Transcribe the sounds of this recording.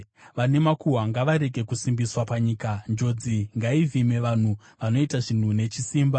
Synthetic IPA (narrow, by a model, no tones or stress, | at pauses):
ʋane̞makuɦwaŋɡaʋaɾe̞ɡʱe̞kusimbiswapaɲiːkand͡ʒo̞d͡ziŋɡaivʱime̞ʋan̤u | ʋano̞itaʐin̤une̞t͡ʃisiːmba